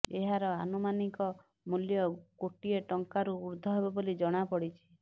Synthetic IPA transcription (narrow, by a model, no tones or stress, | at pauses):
eɦaɾɔanumanikɔ | muljɔkoʈieʈɔŋkaɾuːɾd̪ʱɔɦebebolid͡ʒɔɽ̃apɔɽit͡ʃʰi̥